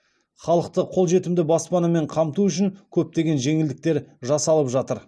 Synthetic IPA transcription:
χɑlˠəq̚t̪əqʰo̞lˠʒe̞t̪ɪmd̪ɪbɑspɑnɑme̞ɴqʰɑmt̪uʏʃ̬ɪŋkʲʰɵp̚t̪e̞ɡʲe̞nʒe̞ŋɪld̪ɪk̚t̪e̞ɾʒɑsɑlˠəpʒɑt̪əɾ

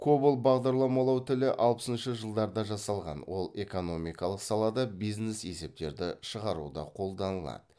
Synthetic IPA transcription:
kʰobulˠbɑʁd̪ɑɾlˠɑmɑlˠɑwt̪ʰɪlɪʔɑlˠpə̥sənʃəʒəlˠd̪ɑɾd̪ɑʒɑsɑlˠʁɑ̰nwo̞lˠe̞ko̞no̞mijkɑlˠəqsɑlˠɑd̪ɑbijznese̞se̞p̚t̪e̞ɾd̪ɪʃəʁɑɾṵd̪ɑ̰qʰo̞lˠd̪ɑnəlˠɑ̰d̪ə

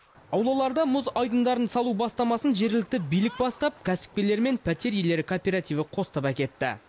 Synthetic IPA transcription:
ɑwlˠɑlˠɑɾd̪ɑmʊzɑjd̪ənd̪ɑɾənsɑlˠubɑst̪ɑmɑsənʒe̞ɾɡʲɪlɪk̚t̪ɪbijlɪk̚bɑst̪ɑp̚kʲʰæsɪ̥p̚ʲkʲe̞le̞ɾme̞npʰæt̪e̞ɾje̞le̞ɾɪkʰopʲe̞ɾat̪ijvəqʰo̞sə̥t̪əpækʲe̞t̪ːɪ̰

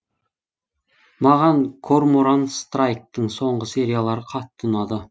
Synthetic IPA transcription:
mɑʁɑŋkʰo̞rmoɾanst̪rajk̚t̪əɴso̞ɴʁəse̞ɾʲijalˠɑɾəqʰɑt̪ʰːənɑd̪ə

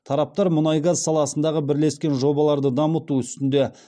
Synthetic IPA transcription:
t̪ʰɑɾɑp̚t̪ɑɾmʊnɑjɡɑzsɑlˠɑsənd̪ɑʁəbɪɾle̞skʲe̞nʒo̞bɑlˠɑɾd̪əd̪ɑmət̪uʏst̪ɪnd̪e̞

